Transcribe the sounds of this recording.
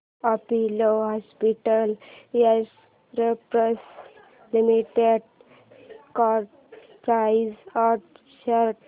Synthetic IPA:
apiloɦɔspiʈəljas | ɾepɾəs | limiʈeɖ | kaɾʈ | pɾaizaɾʈ | ɕəɾʈ

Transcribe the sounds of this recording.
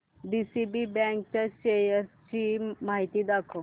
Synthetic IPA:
bisibibɛ̃ŋk̚t͡ɕaɕejəɾt͡ɕiːmaɦit̪iːd̪akʰo

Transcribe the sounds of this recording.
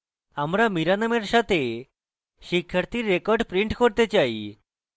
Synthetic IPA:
amɾamiɾanameɾsat̪ʰe | ɕikʰːjaɾt̪iɾːekɔɾɖpɾiɳʈkɔɾt̪et͡ɕaḭ

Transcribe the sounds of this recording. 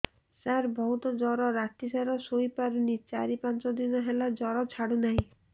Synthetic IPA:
saɾbɔɦut̪ɔd͡ʒɔɾɔɾat̪isaɾɔsojpaɾunit͡ʃaɾipãnt͡ʃɔd̪inɔɦelad͡ʒɔɾɔt͡ʃʰaɽunaɦĩ

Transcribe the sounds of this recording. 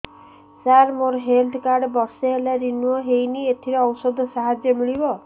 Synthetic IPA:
saɾmoɾɔɦeld̪kaɾɖbɔɾseɦelaɾinuɔɦejniet̪ʰiɾeɔwsɔd̪ʱɔsaɦad͡ʒjɔmiɭibɔ

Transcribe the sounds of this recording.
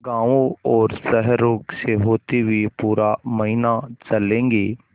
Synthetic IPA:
ɡãːʋõɔːɾsɛɦɾoːkseɦoːt̪ibʱipuːɾamɐɦɪnat͡ʃɐlẽːŋɡeː

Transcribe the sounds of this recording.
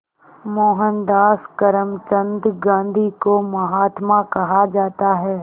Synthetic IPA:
moːɦənd̪aːskɐɾəmt͡ʃə̃nd̪ɡãːnd̪ʱikomɐɦaːt̪makɐɦad͡ʒaːt̪aɦɛː

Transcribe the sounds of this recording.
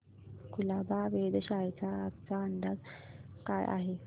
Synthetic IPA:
kulabaʋed̪ɕajt͡saːk̚t͡saəɳɖ̪atkajʔa̰ɦe

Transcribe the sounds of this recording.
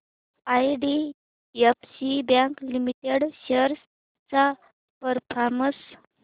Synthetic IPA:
ajɖi | epsibjãŋklimiʈeɽɕəɾs | t͡sa | pəɾpʰaməs

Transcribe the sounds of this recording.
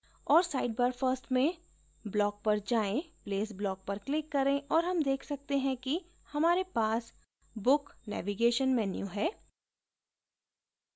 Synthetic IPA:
ɔːɾsaːɪɖ̚bəɾfəɾsʈmẽ | blɔːk̚pɐɾd͡ʒaːẽpleːsblɔːk̚pɐɾklɪkːɐɾẽʔɔːɾɦɐmd̪eːkʰsɐk̚t̪eɦɛ̃ki | hɐmaːɾepaːs | bʊknɛ̰ːʋiɡeːʃənmɛːnjṵɦɛː

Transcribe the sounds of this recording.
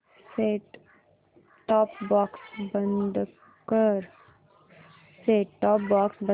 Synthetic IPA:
seːʈ | ʈɔːpbɔːksbɐnd̪ | kəɾ | seːʈʈɔːp̚baːksbə

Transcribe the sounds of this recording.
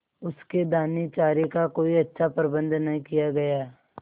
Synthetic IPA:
ʊsked̪aːnit͡ʃaːɾekakoːiɐtːʃʰapəɾbə̃nd̪nɐɦĩkijaɡɐjaː

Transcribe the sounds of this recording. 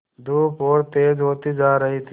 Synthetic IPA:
d̪uːpoːɽt̪eːd͡ʒɦoːt̪id͡ʒaːɾəɦit̪ʰ

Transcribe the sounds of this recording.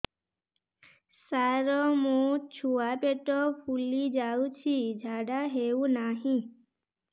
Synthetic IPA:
saɾɔmũt͡ʃʰuapeʈɔpʰulid͡ʒawt͡ɕʰid͡ʒʱaɖaɦewnaɦĩ

